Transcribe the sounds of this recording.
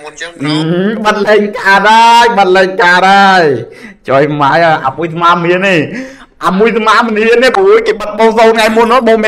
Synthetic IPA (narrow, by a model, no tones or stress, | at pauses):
ʔɨɓət̪̚lɛːŋkaːɗajɓət̪̚lɛːŋkaːɗajt͡ɕojmajaʔaːmujs̬amaːmniəneː | ʔaːmuəjsamaːməniəneːpujkeːɓət̪̚ɓɔːŋsoːnŋajmʊnːoɓoːŋme